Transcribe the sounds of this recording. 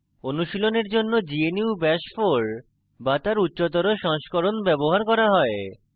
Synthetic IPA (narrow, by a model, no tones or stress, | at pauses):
onuʃiloneɾd͡ʑonːod͡ʑieniubɛʃfoɾ | bat̪aɾutːɕot̪̬oɾoʃɔŋʃkoɾonbɛboɦaɾkɔɾaɦɔe